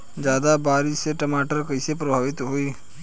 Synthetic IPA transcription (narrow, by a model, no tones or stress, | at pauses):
d͡ʒjaːd̪abaːɾɪseʈɐmaːʈəɾkəɪsepɾɐbʱaːʋɪt̪ɦoiː